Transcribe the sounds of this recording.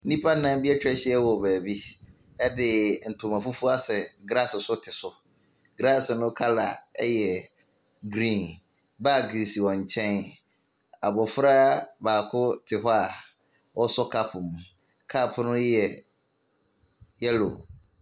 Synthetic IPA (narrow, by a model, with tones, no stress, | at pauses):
nĩ˦pʰa˦nã˦m˦bi˦ɛ˦t͡ɕᶣɛ˦ɕɛ˦ɛ˦wɔ˨bɛː˨bi˦ | ɛ˦dɪ˨n̩˨tʰʊ̃˨mã˨fu˦fu˦a˦sɛ˨ɡɾa˦sɪ˨sʊ˦tʰɪ˨sʊ˨ | ɡɾa˦ssʊ˨nʊ̃˦kʰa˦la̰˨ɛ˦jɛ˨ | ɡɾĩ˦˨n | ba˦ɡɾi˨si˨wɔ̃˨ɲ˨t͡ɕʰɛ̃˦n | a̰˨bɔ˨fɾa˦baː˨kʰʊ˦tʰɪ˨ɦɔ˦a˨ | wʔɔ˦sɔ˦kʰa˦pʰʊ˨m˨ | kʰa˦˨pʰʊ˦nʊ̃˦jɛ˨ | jɛ˦lo̰˨